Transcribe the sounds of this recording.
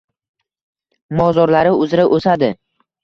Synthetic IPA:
mɒzɒɾlaɾɪʊzɾaʔosad̪ɪ

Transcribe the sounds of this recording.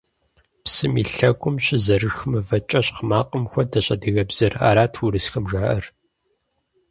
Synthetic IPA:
psɨmiːɬɐkʷʼʊmɕɪzɐrɨxmɨvɐt͡ʃʼɐɕqmaːqʼəmxʷɔdɐɕʼɐdɨɣɐbz̥ɨra̰ːɾaːtʰwuɾɨsxɐmʒaːʔɐr

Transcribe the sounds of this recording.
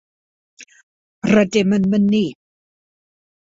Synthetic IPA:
rədɪmənmənːi

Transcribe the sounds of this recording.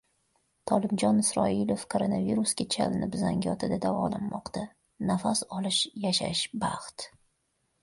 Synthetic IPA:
t̪ʰɒlɪmd͡ʒɒnɪsɾɒɪlofkʰoɾonaviɾusɡʲat͡ʃʰa̰lɪnɪpzaŋɡʲɒt̪ʰɪd̪ad̪avɒ̰lanmɒqt̪a | nafasɒlˠɪʃjaʃa̰ʃbaχt̪

